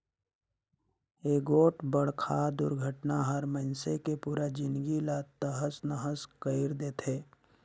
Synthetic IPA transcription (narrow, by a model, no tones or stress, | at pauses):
eːɡoːʈbəɽ̤kʰad̪ʊ̰ɾɡʱəʈnaɦəɾməɪnsekepuːɾad͡ʒɪ̃nd̪ɡilat̪əɦəsnəɦəskəɪɾd̪eːt̪ʰeː